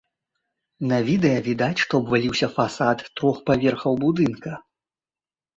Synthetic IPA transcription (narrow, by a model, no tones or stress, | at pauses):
nɐvʲid̪ɛjɐvʲid̪at͡sʲʂt̪ɔbvalʲiwsʲɐfasat̪ːɾɔxpavʲɛrxɐwbud̪ɨnkɐ